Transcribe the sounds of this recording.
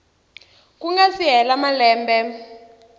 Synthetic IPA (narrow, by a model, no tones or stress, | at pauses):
kuŋɡasiɦɛlamalɛːmbɛ